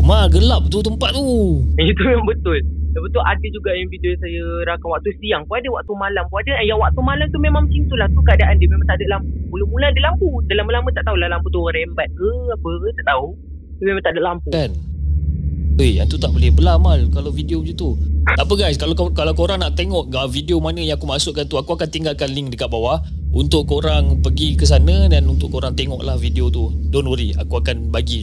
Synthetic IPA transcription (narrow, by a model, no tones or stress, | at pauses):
maɡəlap̚t̪ut̪əmpat̪̚t̪ujit̪umemambət̪ʊldabət̪ʊlʔadəd͡ʒuɡajaŋvidiosajəɾakanwak̚t̪usijaŋpuadəwak̚t̪umalampuadəajaŋwak̚t̪umalamt̪umemaŋt͡ʃint̪ulaht̪ukaadaʔandəmemãŋt̪adəʔlampumulumuladilampudalambəlambət̪aʔt̪aɦulahlamput̪uaɾɛmbat̪̚kəapət̪aʔt̪au | dəmemãt̪aʔdəʔlampukan | əjjaŋt̪ut̪aʔbolɛhbəlamalkalafidiod͡ʒut̪ut̪apəɡajskalakalawkoɾaŋnaʔt̪eŋɔʔəfidiomanə̃jaŋakumasʊʔkant̪uakuakant̪iŋɡalkanliŋdəkat̪̚bawaʔ | unt̪ʊʔkːoɾaŋpəɡikəs̬anədanunt̪ʊʔkoɾaŋt̪eŋɔʔlahvidiot̪udɔnəɾia̰kuakanbaɡi